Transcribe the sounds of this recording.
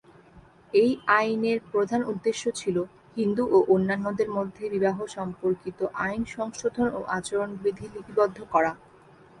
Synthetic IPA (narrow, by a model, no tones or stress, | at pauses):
ejajneɾpɾod̪ʱanud̪ːeʃːot͡ɕʰilo | hind̪uʔoʔonːanːod̪eɾmod̪ʱːebibaɦoʃɔmpoɾkit̪oʔajnʃɔŋʃod̪ʱonoʔat͡ɕoɾonbɾid̪ʱilit̪ibɔd̪ʱːokɔɾa